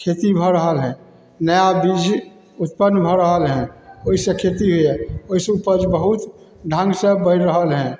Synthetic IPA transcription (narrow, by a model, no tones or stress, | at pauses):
kʰet̪ibʱɔɾəɦəlɦɛ̃ | nəjabid͡ʒ | ut̪̚pənːbʱɔɾəɦəlɦɛ̃oɦisə̃kʰet̪iɦoɛoɦisupəd͡ʒbəɦut̪ | ɖʱãŋɡsə̃bəɪɾɾəɦəlɦɛ̃